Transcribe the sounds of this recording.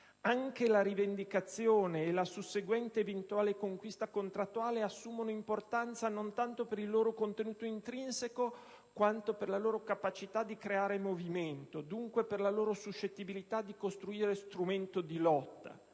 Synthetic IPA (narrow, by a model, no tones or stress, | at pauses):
aŋk̟elaɾivend̪ikat̪sːjoːneːlasusːeɡwɛnt̪eːvent̪uaːlekoŋkwist̪akont̪ɾat̪ːuaːleasːuːmonoimport̪ant̪sanont̪ant̪opeɾilːoːɾokont̪enuːt̪oint̪ɾinseko | kwant̪operlaloːɾokapat͡ʃit̪ad̪ːikɾeaːɾemoviment̪od̪uŋkweperlaloːɾosuʃːet̪ːibilit̪ad̪ːikost̪ɾuiːɾest̪ɾument̪od̪ilɔt̪ːa̰